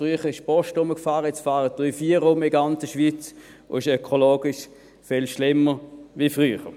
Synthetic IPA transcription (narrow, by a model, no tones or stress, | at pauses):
fʁyːχəʁɪʃpɔʃtʊməkfaːʁət͡sfaːʁəd̥yːfiːɐʁoːməɪɡant͡səʃʋit͡s | o̰ɪʃøkʰoloːɡ̥ɪʃ | fɛlʃlɪmːəʋifʁyːχə